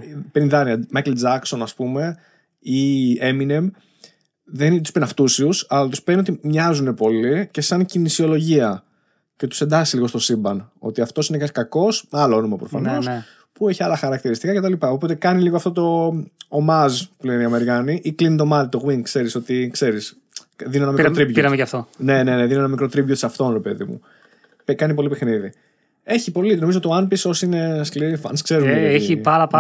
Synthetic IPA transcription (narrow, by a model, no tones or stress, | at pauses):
peɾinðɐniɐmɐjkeld͡zɐkso̞nɐspume̞ | ieminem | ðent̪uspenɐft̪usiusɐlɐt̪uspenio̞t̪̬imɲɐzune̞po̞lice̞sɐɲcinisio̞lo̞ʝiɐ | ce̞t̪u̥se̞nd̪ɐsisliɣot̪osibɐno̞̰t̪iɐft̪o̞sinecskɐko̞smɐloonomɐpɾo̞fɐno̞s | pueçiɐlɐxɐɾɐkt̪iɾist̪ikɐce̞t̪ɐlipɐo̞po̞t̪e̞kɐniliɣoɐft̪o̞t̪o̞ːmɐzpuleneiɐme̞ɾikɐniʔiklinit̪̬o̞mɐlit̪o̞ɣwiŋkse̞ɾiso̞t̪ikse̞ɾis | ðinienɐmikɾot̪ɾibʝoiɾɐmejɐft̪one̞ne̞neðinienɐmikɾo̞t̪ɾibʝot̪i̥sɐft̪o̞nɾe̞pe̞ðḭmṵ | pekɐnipo̞lipexniði | e̞çipo̞linoizot̪ioɐnpisosineskliɾifɐ̰nskse̞ɾueipɐlɐɐ